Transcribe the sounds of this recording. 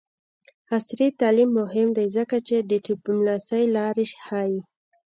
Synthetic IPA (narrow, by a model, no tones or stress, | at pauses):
asɾit̪ɑlimːʊɦɪmd̪ajzəkat͡ʃed̪əʈubmlasajlɑɾeʃhɑji